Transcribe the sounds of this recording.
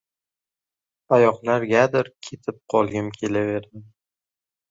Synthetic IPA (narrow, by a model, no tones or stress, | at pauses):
ajɒqlaɾɡʲad̪ɪɾkʲʰe̞t̪ʰɪp̚qʰɒlˠɡʲɪmkʲʰe̞lave̞ɾd̪ɪm